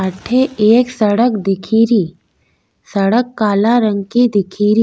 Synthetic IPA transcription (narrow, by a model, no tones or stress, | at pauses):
aːʈʰeeːksɐɽəkd̪ɪkʰiːɾiː | sɐɽəkːaːlaɾə̃ŋɡkid̪ɪkʰiːɾiː